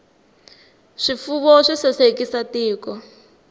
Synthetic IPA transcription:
ʂifuβɔʂisɛsekisatiːkɔ

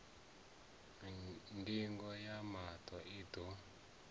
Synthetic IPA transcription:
ndiŋɡɔjamatʰɔid̪ɔ

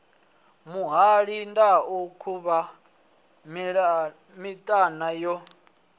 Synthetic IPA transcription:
muɦaɺindaukʰuβa | m | mitʼanajɔ

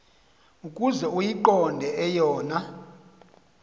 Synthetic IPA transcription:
ukʼuzɛujiǃɔndʱɛʔɛjɔːna

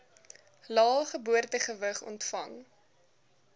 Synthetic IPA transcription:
lɑːχəbuərtəχəvəχɔ̰ntfɐŋ

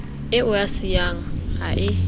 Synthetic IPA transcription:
ɪʊjasɪjaŋaɦaʔɪ

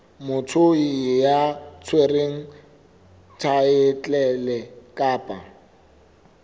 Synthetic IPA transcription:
mʊt͡sʰʊijat͡sʰwereŋ̩ | tʰaɪt͡ɬʼɛlɛkʼaːpʼa

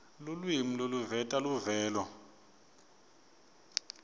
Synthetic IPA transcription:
lulwimiloluvɛtʼaluvɛːlɔ

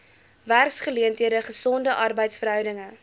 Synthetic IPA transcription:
værksχəliəntɦiəɾəχəsɔndəʔɐrbəjtsfərɦœwdəŋə

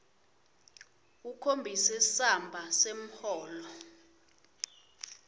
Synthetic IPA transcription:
ukʰombʱisɛsambʱasem̩hɔːlɔ

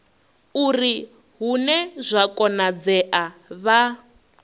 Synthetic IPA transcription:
uri | ɦunɛzʷakʼɔnad͡zɛʔaβa

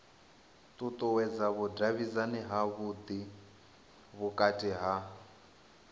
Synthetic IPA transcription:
t̪ʼut̪ʼuwɛd͡zaβudaβizaniɦaβud̪i | βukʼatʼiɦa

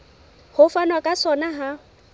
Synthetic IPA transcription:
hʊfanwakʼasɔnaɦa

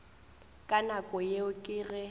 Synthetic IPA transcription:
kʼanakʼɔjeʊkʼɪɣɛ

